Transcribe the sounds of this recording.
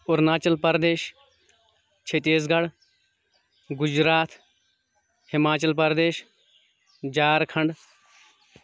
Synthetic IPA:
ʊɾnaːt͡ʃɐlpɐɾd̪eːʃ | t͡ʃʰet̪eːzɡɐɽ | ɡʊd͡ʒɾaːt̪ʰ | hɪmaːt͡ʃɐlpɐɾd̪eːʃ | d͡ʒaːɾkʰɐɳɖ

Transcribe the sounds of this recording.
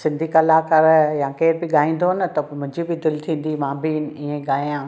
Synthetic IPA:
sɪ̃nd̪ʱikɐlaːkɐɾjãkeːɾbɪɠaːĩːn̆d̪oɦənət̪ɐmʊ̃ɦɪ̃ɲd͡ʑibɪd̪ɪlt̪ʰĩːn̆d̪imãːbɪnɪiːẽɡaːijãː

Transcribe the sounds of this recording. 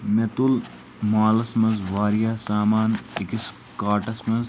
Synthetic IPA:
met̪ul | maːlɐsmɐnzʋaːɾjaːsaːmaːnikis | kaːʈɐsmɐz

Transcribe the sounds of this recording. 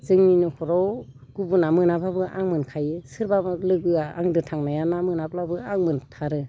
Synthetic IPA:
zɯŋninɯkʰɔɾɔw | ɡ̥ubunamɯnababɯʔaŋmɯnkʰajɯsɯɾbabalɯɡɯaa̰ŋdɯtʰaŋnajanamɯnablabɯaŋmɯntʰaɾɯ

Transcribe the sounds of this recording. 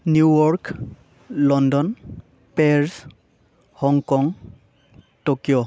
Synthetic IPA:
njuwɔɹk | lɔndɔn | pɛɹs | hɔŋkɔŋ | tokijɔ

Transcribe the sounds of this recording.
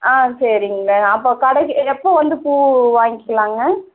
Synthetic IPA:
aːsɐɾɪŋɡɐɐːpːoːkɐɽɐɛpːoːʋɐnd̪ɯpuːʋaːŋɡɪkːɐlaːŋɡɐ

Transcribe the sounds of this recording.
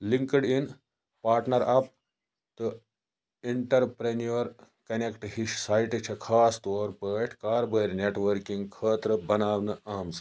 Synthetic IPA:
liŋkəɽin | paːɾʈnɐɾɐp̚ | t̪ɨ | iɳʈɐɾpɾenijɐɾ | kɐnekʈhisaːjʈit͡ʃʰɐkʰaːst̪oːɾpəːʈʰkaːɾbʱəːɾʲneʈʋəɾkiŋɡkʰəːt̪ɾɐbɐnaːʋnɐʔaːmsɐ̥

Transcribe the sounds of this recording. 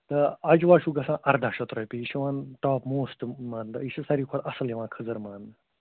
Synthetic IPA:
t̪ɐɐd͡ʒʋaːʃuɡɐsãːʔɐɾd̪aːʃɐt̪ɾɐjpiiʃiʋãːnt̪aːpmoːsʈmãːnd̪iʃɐsɐɾiːkʰoɽɐsɐliʋãːkʰɐzɐɾmaːn

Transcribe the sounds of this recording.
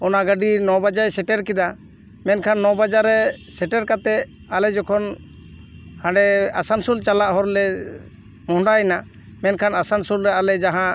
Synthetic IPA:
ɔnaɡəɖinɔbad͡ʒajsɛʈɛɾkid̪a | mɛnkʰanːɔbad͡ʒaɾɛsɛʈɛɾkat̪ɛ | alɛd͡ʒɔkʰɔn | hãɖɛasansult͡ʃalaʔɦɔɾlɛ | mɔ̃ɦɳɖajna | mɛnkʰanasansulɾɛalɛd͡ʒaɦã

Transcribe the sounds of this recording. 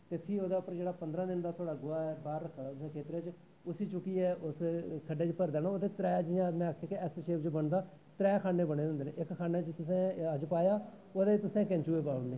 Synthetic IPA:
t̪eːpʰɪoːd̪aːʊpːəɾd͡ʒeːɽaːpənd̪ɾãːd̪ɪnd̪aːt̪ʰoːɽaːɡʊːaːɛːbaːɾːəkʰːaɽaːãːkʰeːt̪ɾeːt͡ʃ | ʊsiːt͡ʃʊkiːɛːʔʊskʰəɖeːt͡ʃpəɾd̪ɛːnaːoːd̪eːt̪ɾɛːd͡ʒɪːãmɛ̃ːakʰːaːkeɛsʃeːpt͡ʃbəɳd̪aː | t̪ɾɛːkʰaːneːbəɽ̃eːʊnd̪eːnẽːʔɪkkʰːaːneːt͡ʃt̪ʊsẽːəd͡ʒpaːjaː | oːd̪eːt̪ʊsɛ̃ːkɛ̃ɲt͡ʃuːeːpaːʋənd̪eː

